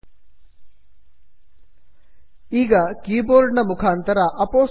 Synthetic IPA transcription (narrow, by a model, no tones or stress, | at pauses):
iːɡɐkiːboːɾɖɳɐmukʰaːnt̪ɐɾɐʔɐpoː